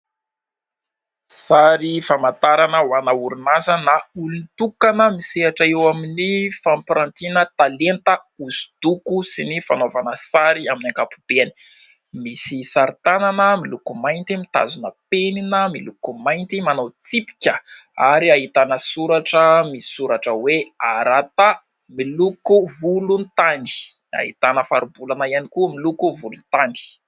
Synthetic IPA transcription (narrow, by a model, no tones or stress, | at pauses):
saɾifamant̪aɾanəwanauɾunazənaulunit̪ukanəmiseaʈ͡ʂəewaminifampiɾant̪inət̪alent̪əuzi̥d̪̥ukusinifanovanəsaɾiaminaŋkapub̥eani̥ | misisaɾit̪ananəmilukumajnt̪imit̪a̰zunəpeninəmilukumajnt̪imanawt͡sipi̥kʲə | aɾiaɦit̪anəsuɾaʈ͡ʂəmisi̥suɾaʈ͡ʂəweaɾat̪a | milukuvulunt̪ani̥ | a̰ɦit̪anəfa̰ɾubulanəianikumilukuvulunt̪ani̥